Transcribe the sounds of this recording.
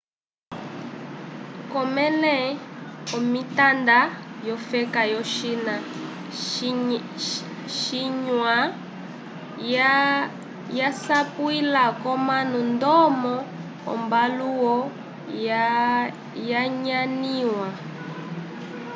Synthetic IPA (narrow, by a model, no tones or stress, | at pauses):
kɔmɛlɛɔmitandajɔfɛkajɔʃina | ʃ | ʃiɲwa | jasapwilakɔmanundɔmɔ | ɔ̰mbaluwɔ | jaɲaniwa